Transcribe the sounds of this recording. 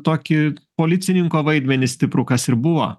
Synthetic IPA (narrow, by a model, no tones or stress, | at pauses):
t̪oːkʲɪpoːlʲɪt̪sʲɪnʲɪŋkoːʋɐɪd̪ʲmʲɛnʲɪsʲt̪ʲɪpɾʊkɐsɪɾbʊʋo̰ː